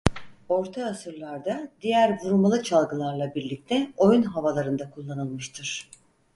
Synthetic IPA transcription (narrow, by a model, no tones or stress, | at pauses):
o̞ɾt̪ʰaːsɯɾlˠaɾd̪ad̪ijæɾvuɾumalˠɯt͡ʃʰalˠɡɯlˠaɾlˠabiɾlʲic̚t̪ʰɛo̞junɦavalˠaɾɯnd̪akʰulˠːanɯlˠmɯʃt̪ʰɯɾ̥